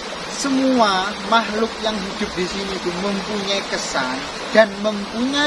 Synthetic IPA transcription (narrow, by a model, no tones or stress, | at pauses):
səmuamaɦlʊk̚jaŋɦid̪̥ʊ̤p̚disinipʊməmpuɲaikəsan | d̥anməmpuɲa